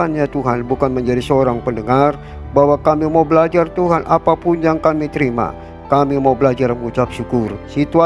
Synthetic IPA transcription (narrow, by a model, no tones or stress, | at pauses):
anɲat̪uɦanbukanməɲd͡ʒadisəoɾaŋpəndəŋar | baɦwakamimaubəlad͡ʒart̪uɦanʔapapʊnjaŋkamit̪əɾima̰ | kamimaubəlad͡ʒarməŋut͡ʃap̚ʃukʊrsit̪ua